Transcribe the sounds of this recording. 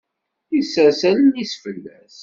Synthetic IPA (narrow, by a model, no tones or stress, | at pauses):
isæsælənisfəlːæs